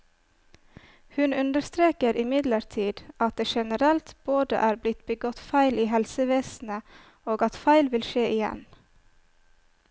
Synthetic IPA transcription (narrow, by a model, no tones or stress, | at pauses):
hʉnʉnd̪əɾst̪ɾeːkəɾɪmɪd̪ləɾt̪ʰiːd̪ɑt̪̚d̪eːʃɛnəɾɛlt̪b̥oːd̪ə̰ʔæːɾblɪt̪bəɡɔt̪fæɪliːhɛlsəʋeːsn̩ə | oːɡɑt̪fæɪlʋɪlʃeːʔɪjɛ̰n